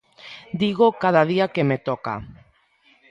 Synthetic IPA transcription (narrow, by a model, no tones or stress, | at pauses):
d̪iɣokað̞aðiakemet̪ɔka̰